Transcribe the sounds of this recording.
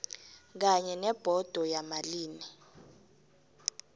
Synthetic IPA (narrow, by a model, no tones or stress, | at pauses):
k̬aɲɛnɛb̥ʱɔd̥ʱɔjamaliːni